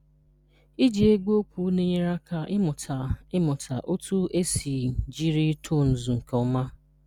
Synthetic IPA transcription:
i˦d͡ʒi˨e˦ɡʷo˦kʷu˦ne˦ɲ˦ɾa˦ka˨ʔɪ˦mʊ˨tʰa˨ɪ˦mʊ˨tʰa˨ʔo˦tu˦e˦si˨d͡ʒi˦ɾi˦tʰu˦˨n̩˨zu˨ŋ̩˨ke˨ʊ˦ma˦

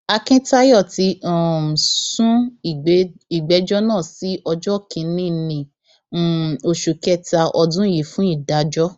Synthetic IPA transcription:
a˧kĩ˦ta˦jɔ˦˨ti˧˦ɔ˨m˨sũ˦i˨˧i˨ɡ͡bɛ˨˧˦d͡ʒɔ˦nãː˦˨si˨˦ʔɔ˧d͡ʒɔ˦˨kĩ˨˦nĩ˦nĩ˨˦˨ | o˨ʃu˨kɛ˦˨ta˧ʔɔ˧dũ˦ji˨˦fũ˦i˦˨da˨˦d͡ʒɔ˦

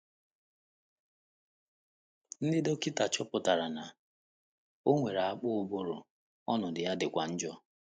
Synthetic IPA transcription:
n̩˦dɪ˦do˦ki˦ta˨t͡ʃɔ˦pʊ˨ta˨ɾa˨na˨ | o˦ŋʷe˨ɾa˨a˦˨k͡pʊ˦˨bʊ˦ɾʊ̰˨ | ɔ˦nʊ˨dɪ˨ja˦dɪ˨kʷa˨n̩˦d͡ʒɔ˦

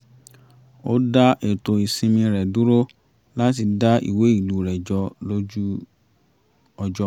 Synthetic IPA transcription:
o˦da˦ʔe˨to˨i˨sĩ˧mĩ˧ɾɛ˨du˦ɾo˦ | la˦ti˧da˦ḭ˦˨we˨˦i˦˨lu˨˦ɾɛ˨d͡ʒɔ˨˧lo˦d͡ʒu˦ | ɔ˧d͡ʒɔ˦

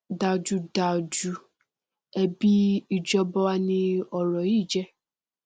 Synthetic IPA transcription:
da˨d͡ʒu˧da˨d͡ʒu˧˦ | ɛ˨bi˦i˨d͡ʒɔ˧bɔ˧wa˧nĩ˧ɔ˨ɾɔ˨i˦˨d͡ʒɛ˦

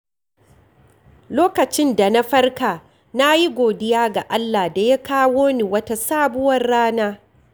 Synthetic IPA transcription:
loː˦kɐ˨t͡ʃɪ˦nda˨na˦ɸɐ˦rka˨ | na˦ji˦ɡʷoː˨dɪ˦jaː˦ɡa˨ʔa˦lːa˨da˨ja˦kaː˦woː˦ni˨wɐ˦ta˦saː˦bʊ˦wɐ˦rːaː˦naː˦

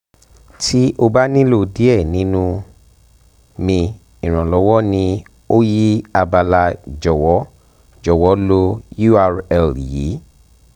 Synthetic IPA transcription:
tʰi˦ʔo˧ba˦nĩ˦lo˦˨di˨˦ɛ˦˨nĩ˨˦nũ˧˦ | mĩ˧ | ĩ˨ɾ̃ã˨lɔ˨˧˦wɔ˦nĩ˧ | o˦ji˦a˧ba˧la˧d͡ʒɔ˨wɔ˨˦ | d͡ʒɔ˨wɔ˨˦lo˧ju˦a˧ɾɛ˨lji˨˦

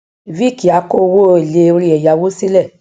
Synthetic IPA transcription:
vi˦˨ki˨a˨˦ko˦˧wo˦e˨le˨˦o˧ɾi˦ɛ˨ja˨wo˦si˦lɛ˦˨

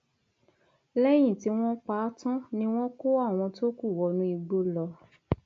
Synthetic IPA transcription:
lɛ˦j̃ĩ˦˨ti˧w̃ɔ̃˦k͡pa˦tã˦nĩ˦w̃ɔ̃˦ko˦a˦˨w̃ɔ̃˧to˦ku˦˨wɔ˧nũ˧˦i˧ɡ͡bo˧lɔ˧

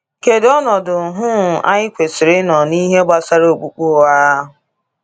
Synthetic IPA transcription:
ke˨dɔ˦nɔ˨dʊ˨ɦʊ˦˨ʔa̰˦ɲɪ˦kʷe˨sɪ˨ɾɪ˦nɔ˨ni˦ɦe˦ɡ͡ba˦sa˦ɾo˦˨o˨k͡pu˦k͡po˦˨a˦a˦ɦʊ˨

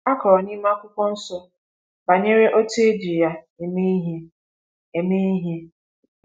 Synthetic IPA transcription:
a˦kɔ˨ɾɔ˨ni˦ma˦kʷʊ˦kʷɔ˦n̩˦sɔ˦ | ba˨ɲe˦ɾe˦ʔo˦te˦e˦di˨ja˦ | e˨me˦i˦ɦe˦ | e˨me˦i˦ɦje˦

